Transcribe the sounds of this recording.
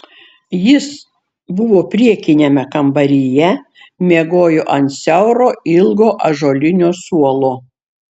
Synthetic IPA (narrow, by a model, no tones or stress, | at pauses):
jɪs | bʊʋoːpʲɾʲiɛkʲɪnʲemʲɛkɐmbɐɾʲijɛ | mʲeɛɡoːjʊʔɐnt̪sʲɛʊɾoːɪlˠɡoːʔɐʒoːlʲɪnʲoːsuɔlˠoː